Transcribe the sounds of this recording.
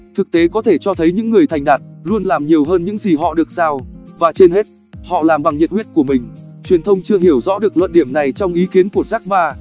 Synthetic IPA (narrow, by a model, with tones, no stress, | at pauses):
t̪ʰɨ˨˩k̚t̪e˨˦kɔ˨˦t̪ʰe˧˩t͡ɕɔ˧t̪ʰə˨˦jɲɨ̰˧˥ŋːɨ˨˩əjt̪ʰjŋ̟ɗaː˨˩t̚lu˧ənlaː˨˩mɲi˨˩əwɦəː˧nɲɨ̰˧˥ŋzi˨˩ɦɔ̰˧˨ɗɨ˨˩ək̚z̥aː˧wvaː˨˩t͡ɕe˧nhe˦˥t̚ | hɔ̰˧˨laː˨˩mɓa˨˩ŋɲi˨˩t̚wi˦˥ət̚ku˧˩əmï˨˩ŋ̟ | t͡ɕwi˨˩ənt̪ʰə˧wŋ͡mt͡ɕɨ˧əɦi˧˩əwzɔ̰˧˥ɗɨ˨˩ək̚lə̰˧˨nɗi˧˩əmna˨˩jt͡ɕɔ˧wŋ͡mʔi˨˦ki˨˦ənku˨˩ət̚za˦˥k̚ɓaː˧